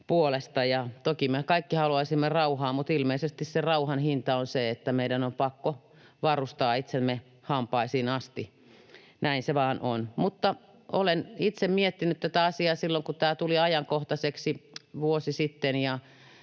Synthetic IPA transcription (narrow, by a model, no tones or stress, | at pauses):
puolest̪ɑjɑt̪okimekɑikːihɑluɑisimːerɑuhɑːmut̪ilmeisest̪isserɑuhɑnhint̪ɑonseet̪ːæmeiɾænompɑkːo | ʋɑrust̪ɑːit̪semme | hɑmpɑisiːnɑst̪i | nʔæinseʋɑːnʔonmut̪ːɑ | ʔolenit̪semmiet̪ːinyt̪t̪æt̪æɑsiɑsilːoŋkut̪æːt̪uliɑjɑŋkoht̪ɑseksiʋuosisit̪ːenjɑ